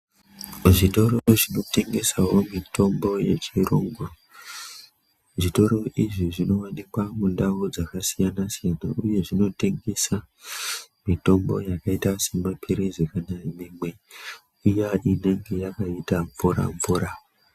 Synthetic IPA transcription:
ʐito̞ɾooʐino̞te̞ŋɡe̞sawo̞mitʰo̞mbo̞je̞t͡ʃiro̰ːŋɡu | ʐito̞ɾo̞ʔiʐiʐino̞wanikwamundaud͡zakasijanasijanaʔuje̞ʐino̞te̞ŋɡe̞sa | mito̞mbo̞̰jakaitase̞mapʰiɾezekanaimemwe̞ | ijaine̞ŋɡe̞jakaitaɱvuɾa̰ɱvuɾa

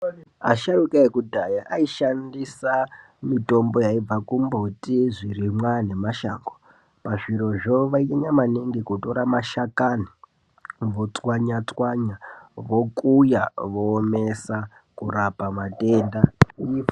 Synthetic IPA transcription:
a̰ʃaɾukaekudʱajaʔaiʃandisa | mito̞mbo̞jaib͡vakumbotiʐiɾimwane̞maʃaːŋɡo | paʐiɾo̞ʐoʋaieɲamaneŋɡikutoɾamaʃakani | ʋo̞t͡swaɲat͡swaɲaʋo̞kʼujaʋoːme̞sa | kuɾapamate̞ːnda

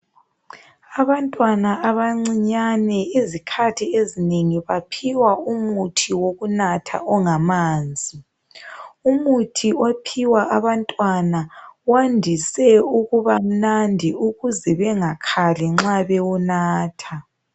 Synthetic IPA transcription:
aβantʼwanaaβaŋ͡ǀiɲanɛizikʰatʰiezineŋiβapʰiwaumutʰiwoɣunatʰa̰ʔɔŋamaːnd͡zʱi | umutʰiopʰiwaʔaβantʼwanawandʱisɛuɣuβam̩nandʱiuɣuzɛβɛŋakʰalɛŋ͡ǁaβɛwɔnaːtʰa

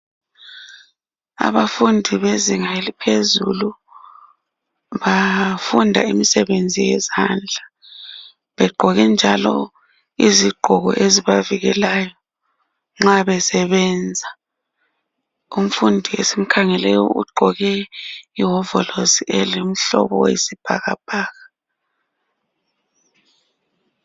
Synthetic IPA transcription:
a̰βafundʱiβeziŋalipʰezulu | βafundʱa̰imisɛβend͡zʱijɛzand͡ɮʱa | βɛɡ͡ǃʱɔɣɛnd͡ʒʱalɔ̰ | iziɡ͡ǃʱɔɣɔ̰ʔeziβaviɣɛlajɔ | ŋ͡ǁaβɛsɛβɛnd͡zʱa | um̩fundʱiesim̩kʰaŋɛlɛjɔ̰ʔṵɡ͡ǃʱɔɣɛiɦɔvɔloziʔɛlem̩ɬɔ̰βɔ̰wḛsib̥ʱa̰ɣa̰b̥ʱaːɣa

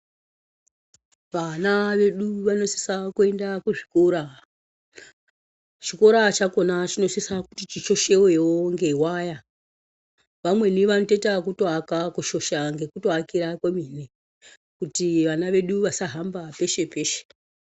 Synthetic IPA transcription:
ʋanaʋe̞ɗuʋano̞si̥sakue̞ndakuʐikoɾa | t͡ʃikoɾat͡ʃako̞nat͡ʃino̞sisakutit͡ʃit͡ʃo̞ʃe̞we̞woŋɡe̞waja | ʋamwe̞niʋano̞te̞takutoakakuʃo̞ʃaŋɡe̞kutoakiɾakwemine | kutiʋanaʋe̞ɗuʋasaɦambape̞ʃe̞pe̞ːʃe̥

